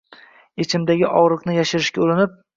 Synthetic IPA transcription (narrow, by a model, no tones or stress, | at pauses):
et͡ʃʰɪmd̪aɡʲɪʔɒʁɾɨqnɪjaʃɪɾɪʃkʲaʊlɪnɪp̚